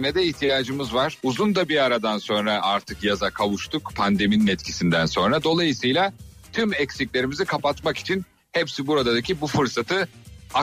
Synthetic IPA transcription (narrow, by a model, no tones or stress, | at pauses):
nɛd̪ɛiçt̪ʰijaːd͡ʒɯmɯzvaɾ̥uzund̪abiaɾad̪anso̞nɾaʔaɾt̪ʰɯkjazakʰavuʃt̪ʰukpʰand̪e̞mininɛt̪cʰi̥sind̪ænso̞nɾad̪o̞lˠajɯsɯjlʲˠa | t̪ʰymɛcsiclʲe̞ɾimizikʰapat̪maki̥t͡ʃʰin | hɛpsibuɾad̪ad̪acʰibufɯɾsat̪ʰɯa